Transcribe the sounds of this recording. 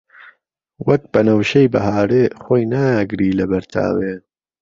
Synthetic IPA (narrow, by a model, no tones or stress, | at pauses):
wɐk̚bɐnɐwʃejbɐɦaːɾexoːjnaːɡɾiːlɐbɐɾtʰa̰ːwe